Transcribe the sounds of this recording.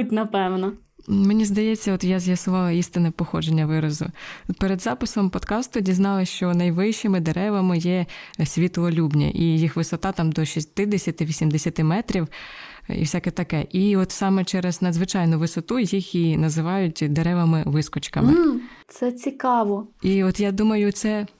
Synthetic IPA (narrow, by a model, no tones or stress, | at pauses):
tʲnɐpɛwnɔ | menʲizd̪ɐjɛt͡sʲːɐɔt̪jazʲjɐsʊʋɑlˠɐist̪ɪnɛpɔxɔd͡ʒenʲːɐʋɪɾɐzʊ̰peɾed̪zɑpɪsɔmpɔd̪kɑst̪ʊdʲiznɑlˠɪʃt͡ʃɔnɐjʋɪʃɪmɪd̪eɾɛʋɐmɪjɛsʲʋʲit̪lˠɔlʲubnʲɐ̰ʔijixʋɪsɔt̪ɑt̪ɑmd̪ɔʃʲist̪ɪd̪esʲɐt̪ɪʋʲisʲimd̪esʲɐt̪ɪmɛt̪ɾʲiw | ḭfsʲakɛt̪ɐkɛʔiɔt̪sɑmɛt͡ʃɛɾeznɐd̪zʋɪt͡ʃɑjnʊʋɪsɔt̪ujixinɐzɪʋɑjʊtʲd̪eɾɛʋɐmɪʋɪskɔt͡ʃkɐmɪt̪sɛt͡sʲikɑʋɔiɔt̪jad̪umɐjʊt̪sɛ